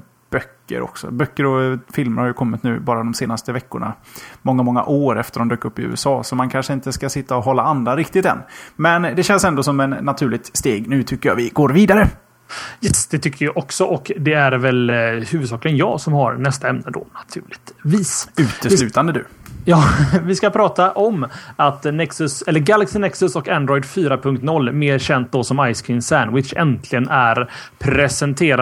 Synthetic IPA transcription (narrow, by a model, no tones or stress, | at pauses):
b̥œkːə̰ɾɔ̰ksɔ̰bœkːəɾɔfɪlməɾhaɾjɵkʰɔmːɪt̪nʉ̟ːbɑːɾad̪ɔmseːnast̪əvɛkːʊɳa̰mɔŋːamɔŋːa̰ʔoːɾɛft̪əɾɔmd̪øːkɵpːɪʉ̟̰ːɛsɑːsɔmankʰanʂəɪnt̪əskasɪt̪ːaɔɦɔlːaand̪aɾɪkt̪ɪt̪ɛ̰nːmɛnd̪ɛɕɛnsɛnd̪oːsɔmɛnːat̪ʰʉ̟ːɭɪɡ̚t̪st̪eːɡnʉ̟ːt̪ʰʏkːəja̰vɪɡoːɾviːd̪aɾə | jɛsd̪̥ɛt̪ʰʏkʰːəɾjɑʔɔksɔʔɔkd̪ɛæɾvɛlhʉ̟ːvɵd̪s̬ɑːklɪɡənjɑ̰ːsɔmhaɾnɛst̪aɛmnəd̪o̰ːnat̪ʰʉ̟ːlɪviːsʉ̟ːt̪əɪlʉ̟ːt̪and̪əd̪ʉːjɑːvɪskapʰɾɑːt̪aʔɔmat̪nɛksɵsɛlːəɾɡalaksɪnɛksɵsɔkand̪ɾɔjd̪fyːɾapʰɵŋk̚t̪nɔlːmeːɾɕɛnt̪̚d̪osɔmajskʰɪnsænwɪt̪ʃɛ̰nt̪ʰlɪɡənæɾ | pʰɾɛsɛnt̪ʰeːɾa